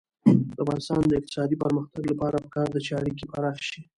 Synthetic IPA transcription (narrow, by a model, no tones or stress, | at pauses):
d̪əafɣɑnɪst̪ɑ̰nd̪əɪq̚t̪ɪ̥sɑd̪ipəɾməxt̪aɡlapɑɾapə̥kɑɾd̪ət͡ʃaɽikipaɾɑxʃi